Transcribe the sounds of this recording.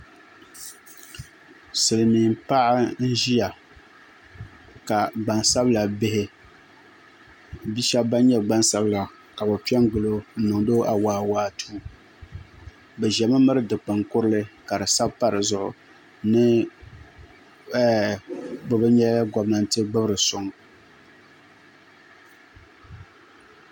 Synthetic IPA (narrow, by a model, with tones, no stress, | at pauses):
sɨ˨lɨ˨mi˨mpa˦ʔɪ˦n̩˦ʒi˦ja˨ | ka˨ɡ͡ba˨nsa˦bla˨bɪ˦hɪ˦ | bi˦ʃɛ˦ba˦ɲɛ˦ɡ͡ba˦nsa˦bla˨ | ka˨bɨ˨pi˦ɛ˦ŋ˦ɡʊ˨lo˦n̩˦nɨ˨ŋ˨do˦ʔa˨waː˨waː˦tʰuː˦ | bɛ˨ʒɛ˨mɨ˦mɨ˦ɾɨ˦dɨ˨k͡pɨ˨ŋkʊ˦ɾɨ˦lɨ˦ka˨ɾɨ˨sa˦bpa˦ɾɨ˨zʊ˦˨ʔʊ̰˨ | nɨ˦ | bɨ˨bɨ˦ɲɛ˦ɡɔ˦bna˦n˦tɨ˦ɡ͡bɨ˦bɾɨ˨sʊ˨ŋ